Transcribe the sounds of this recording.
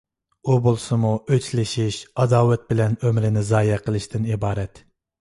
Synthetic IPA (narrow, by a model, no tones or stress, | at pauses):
ubolˠsɨmuʔøt͡ʃlɪʃiʃɑd̪ɑːwɛt̪̚bɪlɛnømɾɪnɪzɑːjɛqʰəlˠɨʃt̪ʰɪnibɑːɾɛt̪